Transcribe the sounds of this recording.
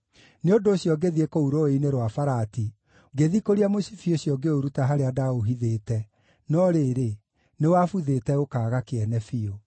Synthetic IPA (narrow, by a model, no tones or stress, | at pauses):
neondoːɕjɔɡeðiekouɾoeineɾwafaɾati | ɡeðikoɾiamosifioɕjɔɡeoɾutaɦaɾeadaoɦiðeːtɛ | nɔɾeːɾe | newafuðetɛokaːɣakeɛnɛfio